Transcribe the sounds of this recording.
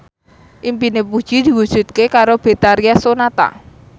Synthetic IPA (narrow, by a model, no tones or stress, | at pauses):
ʔimpinepud̥ʒ̥i̤d̪̥i̤wud̥ʒ̥ṳt̪̚kekaɾob̥e̤t̪aɾiasonat̪a̰